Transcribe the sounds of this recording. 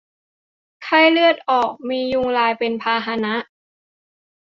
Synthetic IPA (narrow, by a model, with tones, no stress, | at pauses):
kʰa˥˩jlɯ˥˩ət̪̚ʔɔː˨˩k̚miː˧ju˧ŋlaː˧jpe˧npʰaː˧ɦa˧na˦˥ʔ